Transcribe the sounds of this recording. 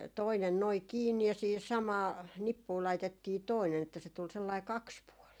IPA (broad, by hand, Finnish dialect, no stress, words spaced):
toinen noi kiːnːi jɑ siːhis sɑmɑː nipːuː lɑitetːiː toinen etːæ se tul selːɑi kɑkspuɔliː